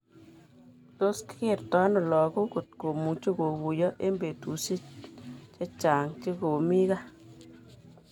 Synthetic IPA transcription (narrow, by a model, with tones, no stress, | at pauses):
to˦skke˦˨rtɔ˦nɔ˨lɔ˨ɡo˦ko˨t̚ko˨mu˨t͡ʃo˦ko˨ku˨jɔ˦ʔe˦mbe˨tu˨si˦tt͡ʃe˦t͡ʃa˨ŋt͡ʃe˦ko˨mi˦ɣa˦